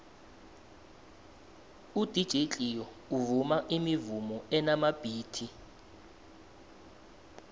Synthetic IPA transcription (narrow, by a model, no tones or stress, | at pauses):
ud̥ʱid̥ʒ̥ʱet͡ɬʼijɔ | uvumaʔimivumɔɛnamab̥ʱiːtʰi